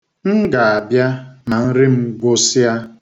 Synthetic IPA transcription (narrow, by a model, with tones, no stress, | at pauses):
ŋ̩˦ɡa˨a˨bja˦ma˨n̩˦ɾɪ˦m̩˦ɡʷo˦si˦a˦